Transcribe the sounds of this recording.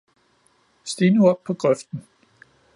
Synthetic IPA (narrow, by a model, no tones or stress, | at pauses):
sd̥iːnəuɒb̥̚pʰɒ̽ɡ̥ʁœfd̥n̩